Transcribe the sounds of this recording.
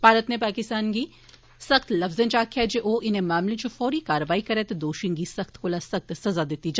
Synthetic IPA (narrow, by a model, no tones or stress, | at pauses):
b̥ʱaːɾət̪nepaːkɪst̪aːnɡi | sɐxt̪lɐfzẽnd͡ʒaːkʰjad͡ʒeʔoːʔɪnẽmaːmlẽt͡ʃofɔːɾikaːɾəʋaːikɐɾɛt̪ed̪oːʃɪ̃ŋɡisɐxt̪kolasɐx̚t̪sɐzad̪et̪id͡ʒ